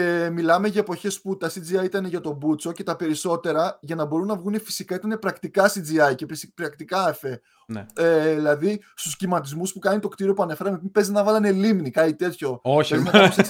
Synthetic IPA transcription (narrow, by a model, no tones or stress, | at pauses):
emilɐme̞ʝɐe̞po̞çe̞sput̪ɐsid͡ziɐit̪ɐneʝɐt̪o̞but͡so̞ce̞t̪ɐpe̞ɾiso̞t̪e̞ɾɐʝɐnɐbo̞ɾunːɐvɣunefi̥sikɐit̪ɐne̞pɾɐkt̪ikɐsid͡ziɐjcepspɾɐkt̪ikɐɐfe | neilɐðist̪uscimɐt̪̬izmuspukɐnit̪o̞kt̪iɾio̞puɐne̞fe̞ɾɐmepipe̞zinɐvɐlɐne̞limnikɐit̪e̞t̪ço̞oezineɐose